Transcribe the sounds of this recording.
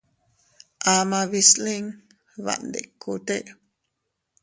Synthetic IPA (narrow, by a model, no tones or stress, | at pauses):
ʔamaβisliŋ | βa̰ʔnd̪ḛkʰːut̪eʔ